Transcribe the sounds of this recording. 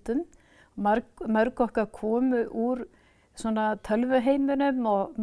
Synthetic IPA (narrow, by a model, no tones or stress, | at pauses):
t̪ʏm | aɾmœɾkɔhkaɾkʰɔːmʏʔuɾ | sɔnat̪ʰœlvʏɦejmʏnʏmɔɣm